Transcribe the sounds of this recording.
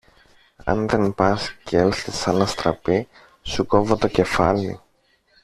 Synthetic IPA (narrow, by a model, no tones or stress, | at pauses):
ɐ̰nðe̞npɐscelθisɐnɐst̪ɾɐpi | suko̞vot̪o̞ce̞fɐ̰lḭ